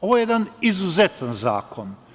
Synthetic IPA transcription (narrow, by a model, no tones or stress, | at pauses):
oʋojejed̪anizuzet̪ʰanza̰ːkʰon